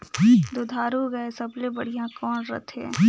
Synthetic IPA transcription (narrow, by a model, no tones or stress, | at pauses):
d̪od̪ʱaːɾuɡɐesɐblẽbɐɽ̤ijãkɔːnɾɐ̰t̪ʰḛː